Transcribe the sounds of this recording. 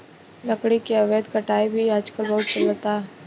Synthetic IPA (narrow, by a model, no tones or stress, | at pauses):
lɐkɽikeɐʋeːd̪kɐʈaːibʱiaːd͡ʒkəlbɐɦʊt̪t͡ʃələt̪aː